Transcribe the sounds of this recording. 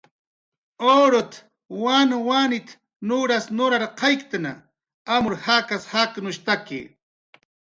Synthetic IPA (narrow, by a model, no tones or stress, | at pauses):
oɾot̪ | wanwanɪt̪ | nʊɾasnʊɾaɾqʰɑjkt̪ana̰ | amʊɾhakashaknʊʃt̪akḛ